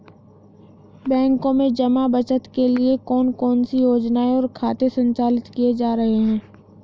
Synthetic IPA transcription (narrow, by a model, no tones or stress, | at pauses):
bɛ̃ːŋkõmẽd͡ʒɐmabɐt͡ʃət̪keliekɔːnkɔːnsijoːd͡ʒnaːeɔːɾkʰaːt̪esə̃ɲt͡ʃaːlɪt̪kied͡ʒaːɾɐɦeɦɛ̃ː